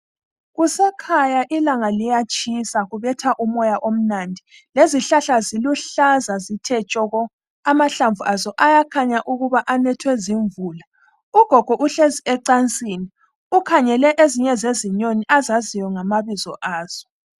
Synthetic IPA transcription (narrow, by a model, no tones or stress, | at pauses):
ɣusɛkʰajaʔilaŋalijat͡ʃʼisaɣuβɛtʰaʔumɔjaʔom̩nandʱi | leziɬaɬaziluɬazazitʰɛt͡ʃʼɔɣɔ | amaɬaɱvuʔazɔʔajakʰaɲaʔuɣuβaʔanɛtʰwɛziɱvuːla | uɡ̥ʱɔɡ̥ʱɔʔuɬeziɛǀant͡sʼini | ukʰaɲɛlɛʔeziɲɛzeziɲoniʔazazijɔŋamaβizɔ̰ʔaːz̥ɔ